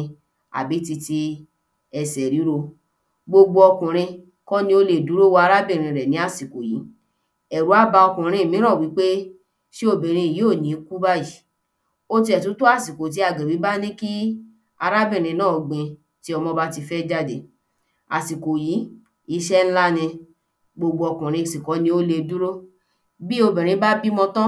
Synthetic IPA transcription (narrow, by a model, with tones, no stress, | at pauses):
a̰˨bi˨˦ti˧ti˧ | ɛ˨sɛ˨ɾi˨˦ɾo˧ | ɡ͡bo˧ɡ͡bo˧ɔ˧kũ˨ɾ̃ĩ˧ | kɔ̃˦nĩ˧o˧le˨du˨˦ɾo˦wo˧˦a˧ɾa˦bĩ˦˨ɾ̃ĩ˧ɾɛ˨nĩ˨˦a˦˨si˨ko˨jḭ˨˦ | ɛ˨ɾu˨˦a˦ba˧ɔ˧kũ˨ɾ̃ĩ˧˨mĩ˨˦ɾ̃ã˦˨wi˨˦k͡pe˦ | ʃi˦o˦˨bĩ˨ɾ̃ĩ˧˨joː˦˨nĩ˨˦ku˦ba˦ji˦˨ | o˦ti˧ɛ˨tu˨˦to˦a˦˨si˨ko˨t̬i˨˦a˨ɡe˨wi˨˦ba˦nĩ˦ki˦ | a˧ɾa˦bĩ˦˨ɾ̃ĩ˧nãː˦˨˧ɡ͡bẽ˧ | ti˦ɔ˧mɔ̃˧ba˦ti˧fɛ˦d͡ʒa˦de˨ | a̰˨si˨ko˨ji˨˦ | i˧˦ʃɛ˦n̩˦la˦nĩ˧ | ɡ͡bo˧ɡ͡bo˧ɔ˧kũ˨ɾ̃ĩ˧˨si˨kɔ˨˦nĩ˧˦o˦le˧du˦ɾo˦ | bi˦o˧bĩ˨ɾ̃ĩ˧˦ba˦bi˦mɔ̃˧tɔ̃˦